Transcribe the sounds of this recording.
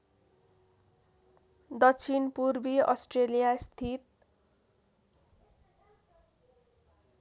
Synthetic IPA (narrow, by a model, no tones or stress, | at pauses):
d̪ʌkt͡sʰinpurbiʌsʈrelijast̪ʰit̪̚